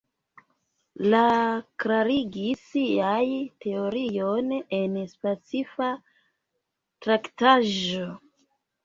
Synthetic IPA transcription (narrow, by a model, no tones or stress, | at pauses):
lakɾaɾiɡisiajtʰe̞oɾijone̞nspet͡sifa | tɾaktaʒo